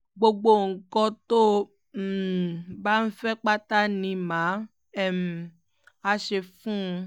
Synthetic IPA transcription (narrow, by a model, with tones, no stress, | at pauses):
ɡ͡bo˧ɡ͡bo˦˨ŋ̩˨kɔ̃˧to˦ | m̩˦˨ba˦n̩˦fɛ˦k͡pa˦ta˦nĩ˧mã˨˦ | ɛ˦˨m̩˨ | a˧ʃe˧fũ˦˧